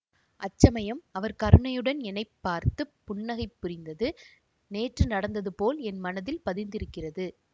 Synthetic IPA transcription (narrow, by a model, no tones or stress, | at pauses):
ʔɐt͡ʃːɐmɐjɐmɐʋɐɾkɐɾɯɳɐjɯɽɐnɛnɐɪpːaːɾt̪ɯpːʊɳːɐɣɐɪpːʊɾɪnd̪ɐðɯ | neːʈrɯnɐɽɐnd̪ɐðɯpoːlɛnmɐnɐðɪlpɐðɪnd̪ɪɾɯkːɪrɐðɯ